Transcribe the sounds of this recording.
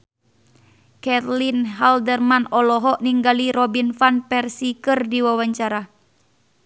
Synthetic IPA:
kɛt̪linɦaldərmanɔlɔɦɔʔniŋɡaliɾɔbinfanpɛrsikɨrdiwawaɲt͡ʃaɾa

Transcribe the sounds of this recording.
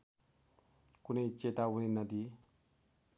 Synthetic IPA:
kunejt͡ʃet̪awuninəd̪i

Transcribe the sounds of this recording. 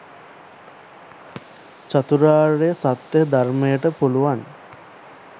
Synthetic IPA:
t͡ʃat̪uɾaːɾejəsat̪jəɦəd̪armejəʈəpuluʋan

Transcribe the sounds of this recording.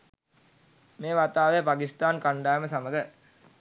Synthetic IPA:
meːʋat̪aːʋəjəpakist̪aːnkaɳɖaːjəməsaməɡə

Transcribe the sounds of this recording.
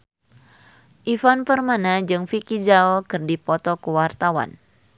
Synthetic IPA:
ʔifanpərmanad͡ʒɨŋfikid͡ʒaɔkɨrdipɔt̪ɔkəwart̪awa̰n

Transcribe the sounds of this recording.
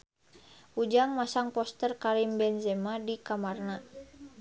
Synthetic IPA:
ud͡ʒaŋmasaŋpɔst̪ərkaɾimbɛnzɛmadikamarna

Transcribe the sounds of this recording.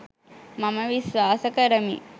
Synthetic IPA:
maməʋisʋaːsəkəɾəmḭ

